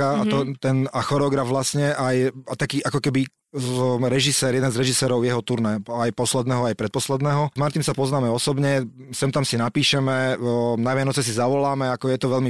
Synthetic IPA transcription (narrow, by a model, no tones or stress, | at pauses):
aat̪ɔt̪ɛnaxɔɾɛɔɡɾavʋlasɲɛʔajat̪akiːʔakɔkɛbi | ɾɛʒisɛːɾjɛd̪ɛnzɾɛʒisɛːɾɔʊjɛɦɔt̪uɾnɛajpɔslɛd̪nɛːɦɔajpɾɛt̪̚pɔslɛd̪nɛːɦɔmaɾt̪imsapɔznaːmɛɔsɔbɲɛ | sɛmt̪amsinapiːʃɛmɛnaʋɪanɔt͡sɛs̬izaʋɔlaːmɛakɔjɛt̪ɔʋɛlmi